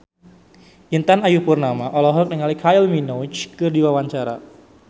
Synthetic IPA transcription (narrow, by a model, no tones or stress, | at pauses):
ʔint̪anajupurnamaʔɔlɔɦɔk̚nəŋalikʰailminɔt͡ʃkɨrdiwawaɲt͡ʃaɾa̰